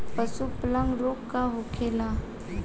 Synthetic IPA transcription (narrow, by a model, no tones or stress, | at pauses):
pəsuplaŋɡɾokːaɦokʰela